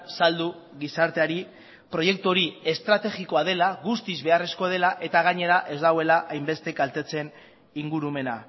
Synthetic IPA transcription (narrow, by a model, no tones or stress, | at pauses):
sald̪uɣisaɾt̪e̞aɾi | pɾo̞je̞kt̪uoɾie̞st̪ɾat̪e̞ɣiko̞að̞e̞laɣust̪izβe̞are̞sko̞ð̞e̞laʔe̞t̪aɣ̞aɲe̞ɾaʔe̞zd̪aɣwe̞laʔajmbe̞st̪e̞kalt̪e̞t͡se̞n | iŋɡuɾume̞na̰